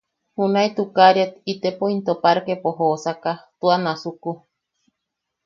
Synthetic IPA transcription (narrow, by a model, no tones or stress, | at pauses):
hunait̪ukaɾiat̪it̪epoint̪opaɾkepoɦosakat̪uanasuku